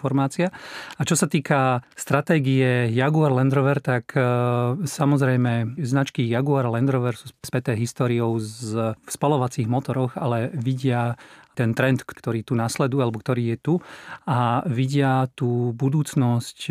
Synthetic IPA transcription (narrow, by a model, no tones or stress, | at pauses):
fɔɾmaːt͡siaat͡ʃɔsat̪iːkast̪ɾat̪ɛːɡiɛjaɡuaɾlɛnd̪ɾɔʋɛɾt̪ak | samɔzɾɛjmɛznat͡ʃkijaɡuaɾalɛnd̪ɾɔʋɛɾsuːspɛt̪ɛːɦist̪ɔːɾiɔʊzfspɔlɔʋat͡siːɣmɔt̪ɔɾɔɣalɛʋiɟɪat̪ɛnt̪ɾɛnt̪kkt̪ɔɾiːt̪unaslɛd̪ujalɛbɔkt̪ɔɾiːjɛt̪uaʋiɟɪat̪uːbud̪uːt͡snɔsc